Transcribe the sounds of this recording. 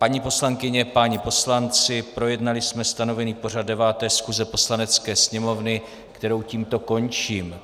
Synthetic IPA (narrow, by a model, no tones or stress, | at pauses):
paɲipo̞slaŋkɪɲɛpaɲɪpo̞slant͡sɪpɾo̞jɛdnalɪsmɛst̪ano̞vɛniːpo̞r̝ad̚dːɛvaːt̪ɛːskuzɛpo̞slanɛt͡skɛːsɲɛmo̞vnɪ | kt̪ɛɾo̞wciːmt̪o̞ko̞nt͡ʃiːm